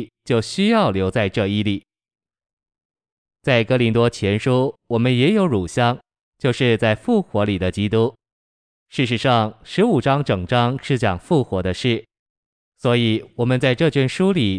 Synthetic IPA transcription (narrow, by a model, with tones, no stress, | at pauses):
t͡ɕjo˥˩ʊɕy˥jɑ˥˩ʊljo˧˥ʊt͡sa˥˧ɪʈ͡ʂɤ˥˧i˥˩li˨˩˦ | t͡sa˥˩ɪkɤ˥li˧˥nt̪wɔ˥t͡ɕʰjɛ˧˥nʂu˥wɔ˨˩mə˦njɛ˧˥jo˧˥ʊɻu˨˩ɕjɑ˥ŋ | t͡ɕjo˥˧ʊʂɻ̩˥˧t͡sa˥˧ɪfu˥˩xwɔ˧˥li˨˩d̪ə˦t͡ɕi˥t̪u˥ | ʂɻ̩˥˩ʂ̬ɻ̩˧˥ʂɑ˥˩ŋʂɻ̩˧˥u˨˩ʈ͡ʂɑ˥ŋʈ͡ʂɤ˨˩ŋʈ͡ʂɑ˥ŋʂɻ̩˥˩t͡ɕjɑ̰˨˩ŋfu˥˩xwɔ˧˥d̪ə˧ʂɻ̩˥˩ | swɔ˧˥i˨˩˦wɔ˨˩mə˦nt͡sa˥˧ɪʈ͡ʂɤ˥˧t͡ɕɥɛ˥˩nʂu˥li˨˩˦